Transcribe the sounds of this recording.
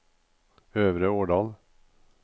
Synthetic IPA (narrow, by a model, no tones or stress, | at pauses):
øːʋɾəoːɖɑːl